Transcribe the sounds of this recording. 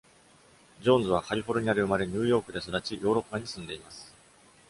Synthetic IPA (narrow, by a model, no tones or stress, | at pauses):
d͡ʑõ̞nzɨβ̞akaɾʲiɸo̞ɾɯ̟ɲ̟iaɾʲɯɯ̟maɾe̞ɲ̟ɯːjo̞ːkɯ̟d̪e̞sod̪at͡ɕijʔo̞ːɾo̞pːaɲ̟isɨ̃nd̪e̞imasɨ̥